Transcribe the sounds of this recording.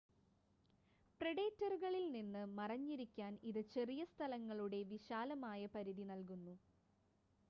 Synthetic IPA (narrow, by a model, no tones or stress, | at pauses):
preɽeːtːɐrɣɐɭilninːɨmɐrɐɲːiɾikʲːaːniðɨt͡ɕe̞rijɐst̪ʰɐlɐŋːɐɭuɽe̞ʋiɕaːlɐmaːjɐpɐɾiðinɐlk̬unːu